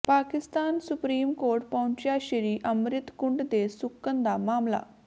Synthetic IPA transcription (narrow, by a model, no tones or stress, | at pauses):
paːkɪst̪aːnsupɾiːmkoːɾʈ̚pɐɦʊ̃ɲt͡ɕjaːɕiɾiːʔəmɾɪt̪kʊɳɖd̪esʊkːənd̪amaːmla̰